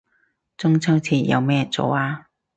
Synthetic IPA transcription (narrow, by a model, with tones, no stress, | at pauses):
t͡sʊ˥ŋt͡sʰɐ˥wt͡sʰiː˧˩jɐ̰˧wmɛː˥˩t͡so̰˨˧waː˧